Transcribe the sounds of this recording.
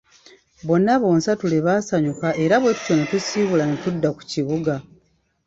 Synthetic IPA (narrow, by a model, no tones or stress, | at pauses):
βo̞nːaβo̞nsatuleβasaɲukaʔe̞ɾaβwe̞tu̥co̞netusiːβulanetudːaku̥ciβuɡa